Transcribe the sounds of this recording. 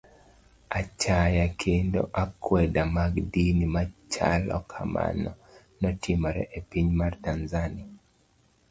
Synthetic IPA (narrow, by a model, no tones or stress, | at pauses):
at͡ʃajakʰendo̰ʔakwɛdamaɡdinimat͡ʃa̰lɔ̰kʰama̰nɔ | nɔtʰimɔɾɛ̰ʔepiɲmartanzania